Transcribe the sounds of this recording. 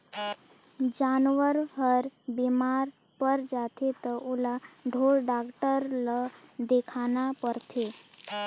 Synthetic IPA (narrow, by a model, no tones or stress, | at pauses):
d͡ʑanʋəɾɦəɾbimaɾ | pəɾd͡ʒat̪ʰet̪əʔulaɖʱoɭɖakʈəɾləd̪ekʰanapəɾt̪ʰe